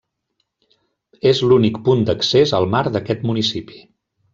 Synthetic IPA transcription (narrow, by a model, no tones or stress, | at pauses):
ezlunikpund̪əksezəlˠmaɾd̪əkɛt̪munisipi̥